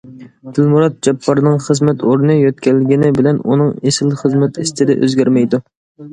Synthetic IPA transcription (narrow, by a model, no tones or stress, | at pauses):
d̪̥ɪlmuɾɑt̪̚d͡ʒɛpʰːɑɾnɨŋχəzmɛt̪ʰoɾnɨjøt̪̚kʲællɪɡʲinɪbɪlɛnṵnɨŋesɪlχəzmɛt̪ist̪ɪd̪ɛʔø̰zɡʲæɾmɛjd̪u